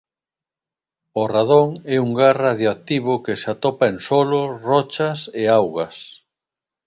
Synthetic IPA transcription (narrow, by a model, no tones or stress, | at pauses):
oraðoŋɛuŋɡaraðjoak̚t̪iβʊkesat̪ɔpaensɔlʊrɔt͡ʃɐseawɣɐs